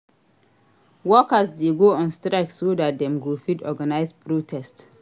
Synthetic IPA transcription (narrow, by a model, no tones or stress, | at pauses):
wɔkasdeɡoːɔ̃nstɾaɪksodat̚dɛ̃mɡofitɔɡanaɪspɾotʰɛst